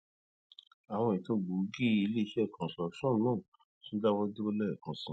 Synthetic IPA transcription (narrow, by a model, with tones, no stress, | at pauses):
a˨w̃ɔ̃˧i˨to˧ɡ͡bu˨˦ɡi˦i˧le˦i˧˦ʃɛ˦˨kʰɔ̃˨sɾɔ˨kʃɔ̃˦˨nũ˦˨ | tũ˦da˦wɔ˦du˦o˦lɛ˦˨kɔ̃˨sũ˨˦